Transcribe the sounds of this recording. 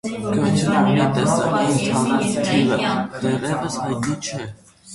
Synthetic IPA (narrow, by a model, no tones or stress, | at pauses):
ɡət͡ʃʰɾɑmit̪ɛsɑ̰kint̪ʰɑnt̪ʰivəd̪̥ɛʁɛvəshɑjt̪nit͡ʃʰɛ